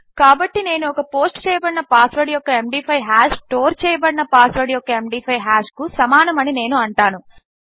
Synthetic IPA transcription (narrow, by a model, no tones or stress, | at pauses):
kaːbɐʈːine̞ːnuɔkɐpo̞ːsʈt͡ʃɛːjɐbɐɽinɐpaːsʋɐɽjɔkːɐemɖiːpʰɐjɦaːʃʈoːɾt͡ʃɛːjɐbɐɽinɐpaːsʋɐɽijɔkːɐemɖiːpʰɐjɦaːʃkusɐmaːnɐmɐnine̞ːnuɐɳʈaːnu